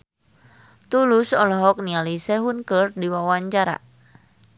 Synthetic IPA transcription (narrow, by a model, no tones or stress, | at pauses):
t̪ulusɔlɔɦɔk̚nialisɛɦunkərdiwawaɲt͡ʃaɾa̰